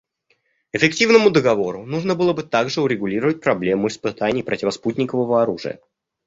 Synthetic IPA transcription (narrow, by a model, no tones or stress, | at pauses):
ɪfʲɪktʲivnəmʊd̪əɡɐvo̞ɾʊnuʐnəbɨlˠəbɨt̪aɡʐɨʊɾʲɪɡʊlʲiɾəvət̚ʲpɾɐblʲe̞mʊɪspɨt̪anʲɪjpɾʔətʲɪvɐsputʲnʲɪkəvəvəɐɾuʐɨ̰jə̰